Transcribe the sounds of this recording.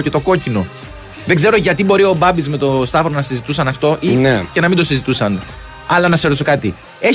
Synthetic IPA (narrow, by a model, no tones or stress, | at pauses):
ce̞t̪oko̞cino̞ | ðeɡze̞ɾo̞ʝɐt̪ibo̞ɾio̞bɐbizme̞t̪o̞st̪ɐvoɾonɐsizit̪usɐnɐft̪o̞ʔinece̞nɐmind̪o̞sizit̪usɐn | ɐlɐnɐkseɾiso̞kɐt̪i | e